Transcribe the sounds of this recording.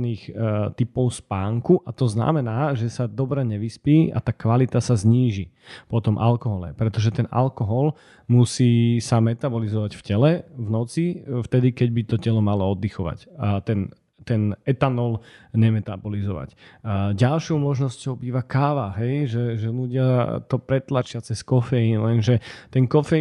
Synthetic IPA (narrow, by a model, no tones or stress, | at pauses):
niːxt̪ipɔʊspaːŋkuʔat̪ɔzna̰mɛnaːʒɛsad̪ɔbɾɛɲɛʋispiːʔa̰t̪akʋalit̪asazɲiːʒi | pɔt̪ɔmʔa̰lkɔɦɔlɛ̰pɾɛt̪ɔʒɛt̪ɛnʔa̰lkɔɦɔl | musiːsamɛt̪abɔlizɔʋaɟfcɛlɛvnɔt͡sift̪ɛd̪ikɛɟ̚bit̪ɔcɛlɔmalɔɔd̪ːixɔʋa̰ct̪ɛn | t̪ɛnɛt̪anɔlɲɛmɛt̪abɔlizɔʋa̰cɟalʃɔʊmɔʒnɔscɔʊbiːʋakaːʋaɦɛjʒɛʒɛluɟɪat̪ɔpɾɛt̪lat͡ʃɪat͡sɛskɔfɛjilɛnʒɛt̪ɛŋkɔfɛ